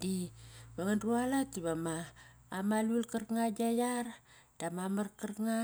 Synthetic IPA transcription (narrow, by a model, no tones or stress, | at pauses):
dibaŋandualatiβamaː | malulkərkŋad͡ʒajar | d̥amamarkərŋa